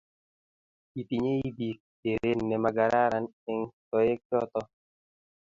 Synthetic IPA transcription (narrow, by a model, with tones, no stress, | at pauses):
i˨ti˨ɲe˦i˦bi˨k̚ | e˨ɾe˦nːɛ˨ma˨ɡa˨ɾa˦ɾa˦n | ɛ˦ŋtɔ˦je˦k̚jɔ˦t̪ɔ˦